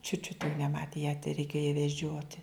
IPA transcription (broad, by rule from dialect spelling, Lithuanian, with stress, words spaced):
t͡ʃʲʊt t͡ʃʲʊt jɛʊ nʲɛˈmɑːtʲeː jæː tʲɛrʲɛɪˈkʲeːjoː jɛ ʋʲɛˈd͡ʒʲoːtʲɪ